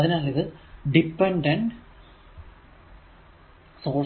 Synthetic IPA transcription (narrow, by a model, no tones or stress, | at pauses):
ɐðinɐlːiðɨɖipːeɳɖɐɳɖ | soː